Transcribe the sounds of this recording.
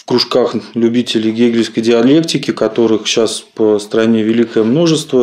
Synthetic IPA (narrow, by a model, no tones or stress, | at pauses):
fkɾʊʂkaxlʲʉbʲitʲɪlʲɪjɡʲeɡʲlʲɪskəjdʲɪɐlʲe̞ktʲɪkʲɪkɐt̪o̞ɾɨxɕaspəst̪ɾɐnʲe̞vʲɪlʲikəjəmno̞ʐəst̪və